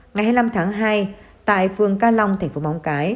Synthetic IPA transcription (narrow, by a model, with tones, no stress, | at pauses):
ŋa˨˩jhaː˧jla˧mt̪ʰaː˨˦ŋɦaː˧j | t̪a̰ː˧˨jfɨ˨˩əŋkaː˧la˧wŋ͡mt̪ʰa˧˩ŋ̟fo˨˦ma˨˦wŋ͡mkaː˨˦j